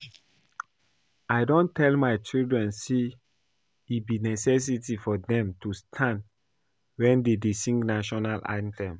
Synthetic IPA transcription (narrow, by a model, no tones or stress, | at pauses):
ajdõntʰɛlmaɪt͡ʃildɹɛ̃nse | ibinɛsɛs̬itifɔdɛ̃mtustʰãnd | wɛ̃ndedesĩŋɡnaʃɔnalʔã̰ɪntɛ̃m